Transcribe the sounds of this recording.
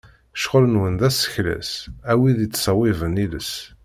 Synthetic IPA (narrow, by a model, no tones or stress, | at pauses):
ʃʁələnwənðæsə̥çlæ̰sæwiðit͡sːsˤɑwɪvənilə̰s